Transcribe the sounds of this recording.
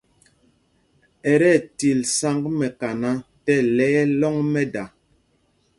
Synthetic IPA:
ɛ˨ɾɛ˦˨ti˨lsa˦ŋɡmɛ˨ka˨na˦tɛ˦lɛ˦ɛ˦lɔ˦ŋmɛ˦da˨

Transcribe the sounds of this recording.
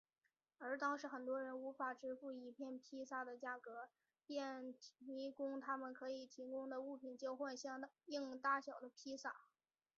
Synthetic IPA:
ə˞˧˥t̪ɑ˥ŋʂɻ̩˧˥xə˨˩nt̪wɔ˥ɻə˧˥nu˧˥fa˨˩ʈ͡ʂɻ̩˥fu˥˩i˧˥pʰjɛ˥˩npʰi˥sa˥˩d̪ə˩t͡ɕja˥˩kɤ˧˥ | pjɛ˥˩nt̪ʰi˧˥kʊ˥ŋt̪ʰa˥mə˨nkʰɤ˧˥i˨˩t̪ʰi˧˥kʊ˥ŋd̪ə˨u˥˩pʰi˨˩nt͡ɕjɑ˥˧ʊxwa˥˧nɕɑ˥˧i˥˩ŋt̪a˥˩ɕjɑ˨˩ʊd̪ə˦pʰi˥sa˥˩

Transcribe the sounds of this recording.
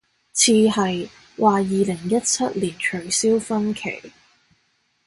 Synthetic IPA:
t͡sʰiː˧ɦɐ˨j | waː˨jiː˨lɪ˨˩ŋjɐ˥t̚t͡sʰɐ˥t̚liː˨˩nt͡ʃʰɵ˨˩ɥsiː˥wfɐ˥nkʰḛ˨˩j

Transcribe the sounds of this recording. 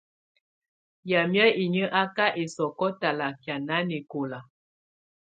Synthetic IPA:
ja˨mjɛ˦i˨ɲə˦ʔa˦ka˦ʔe˨sɔ˨kɔ˦ta˨la˨kja˨na˦ne˨ko˨la˨

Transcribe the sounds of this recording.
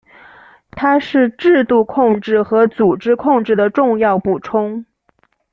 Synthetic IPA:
t̪ʰa˥ʂɻ̩˥˧ʈ͡ʂɻ̩˥˧t̪u˥˧kʰʊ˥˧ŋʈ͡ʂɻ̩˥˩xɤ˧˥t͡su˨˩ʈ͡ʂɻ̩˥kʰʊ˥˧ŋʈ͡ʂɻ̩˥˩d̪ə˩ʈ͡ʂʊ˥˧ŋjɑ˥˧ʊpu˨˩ʈ͡ʂʰʊ˥ŋ

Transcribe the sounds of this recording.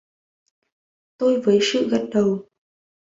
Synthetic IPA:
t̪o˧jvəː˨˦jsɨ̰˧˨ɣə˦˥t̚ɗə˨˩w

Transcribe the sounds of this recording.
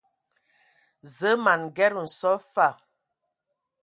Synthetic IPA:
zə˦ma˨nɡɛ˦ɾu˨n̩˨sɔ˦fa˦˨

